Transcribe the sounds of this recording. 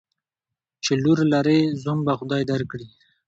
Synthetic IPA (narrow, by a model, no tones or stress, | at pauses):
t͡ʃeluɾlaɾezumbaxʊd̪ɑjd̪aɾkɽi